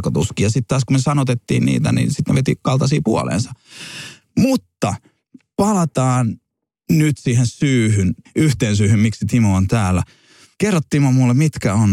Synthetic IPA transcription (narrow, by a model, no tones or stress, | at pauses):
kot̪uskiːjɑsit̪tɑːskumnesɑnot̪et̪ːḭːnnḭːt̪æ̰nḭnsit̪nḛʋet̪ikɑlt̪ɑsiːpuo̰lḛːnsɑ | mut̪ːɑ | pɑlɑt̪ɑːn | nyt̪siːhensyːhynʔyht̪eːnsyːhymmiksit̪imuont̪æːlːæ | kerːot̪ːiːmomulːemmit̪kæon